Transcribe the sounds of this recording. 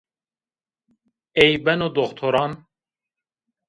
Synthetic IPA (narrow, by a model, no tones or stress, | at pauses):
ejbɛnod̪oxt̪ʰoɾɑːn